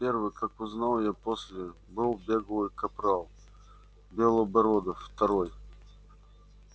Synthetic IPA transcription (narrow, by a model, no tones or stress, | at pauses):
pʲervɨjkakʊznalˠjaposʲlʲɪbɨlˠbʲeɡəlˠɨjkɐpɾalˠ | bʲelˠəbɐɾod̪əft̪ɐɾoj